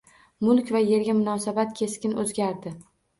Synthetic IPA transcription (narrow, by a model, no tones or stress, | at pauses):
mʊlˠkʲvaje̞ɾɡʲamʊnɒsabat̪kʲʰe̞skʲɪnɵzɡʲaɾd̪ɪ